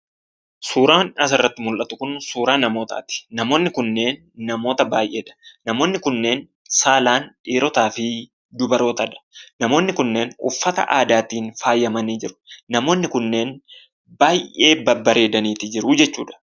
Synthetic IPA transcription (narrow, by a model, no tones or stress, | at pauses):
suːɾaːnɐs̬ɐrːɐt̪ːɪmʊlʔɐt̪ʊkʊnsuːɾaːnɐmo̞ːt̪a̰ːt̪ɪ̥nɐmo̞ːnːɪkʊnːe̞ːnː | ɐmo̞ːt̪ɐbaːjʔe̞ːᶑɐ̥nɐmo̞ːnːɪkʊnːeːn | saːlaːnᶑiːɾɔt̪aːfɪ | d̪ʊbɐɾo̞ːt̪ɐᶑɐ̥nɐmo̞ːnːɪkʊnːe̞ːnʊ̰fːɐt̪ɐ̰ʔaːd̪aːt̪iːnfaːjːɐmɐniːd͡ʒɪɾʊ̥nɐmo̞ːnːɪkʊnːe̞ːn | baːjʔʔe̞ːbɐbɐɾe̞ːd̪ɐniːt̪ɪd͡ʒɪɾʊd͡ʒɛt͡ʃːuːᶑɐ̥